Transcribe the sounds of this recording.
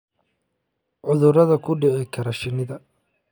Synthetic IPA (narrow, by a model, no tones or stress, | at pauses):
ʕʊðʊɾɐðɐkʰʊɖɪʕɪkʰɐɾɐʃɪnɪðɐ